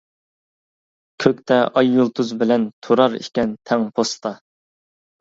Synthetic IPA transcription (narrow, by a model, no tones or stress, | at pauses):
kʲʰøkʲt̪ɛʔɑjːulˠt̪ʰuzbɪlɛnt̪ʰoɾɑɾḭkʲɛnt̪ʰɛŋpʰost̪ɑ